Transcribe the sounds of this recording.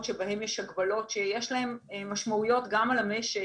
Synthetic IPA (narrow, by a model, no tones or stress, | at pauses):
tʃebahe̞mjeʃhaɡbalo̞tʃejeʃlahe̞mːaʃmaujo̞tɡamalame̞ʃe